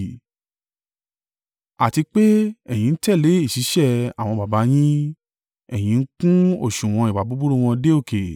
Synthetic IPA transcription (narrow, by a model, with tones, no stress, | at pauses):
a˨ti˧k͡pe˦ɛ˦˨j̃ĩ˨˧n̩˦tɛ˦˨le˨˦i˦˨ʃi˨˦ʃɛ˦˨a̰˨w̃ɔ̃˧ba˨ba˨˦j̃ĩ˦ | ɛ˨j̃ĩ˨˧˦n̩˦kũ˦o̰˦˨ʃũ˨w̃ɔ̃˧i˨wa˨bu˨˦bu˦ɾu˦˨w̃ɔ̃˧de˦o˦˨ke˨